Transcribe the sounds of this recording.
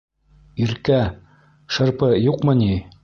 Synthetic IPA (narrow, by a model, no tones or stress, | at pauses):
iɾkæ | ʃɤ̆ɾpɤjuqmɤ̆ni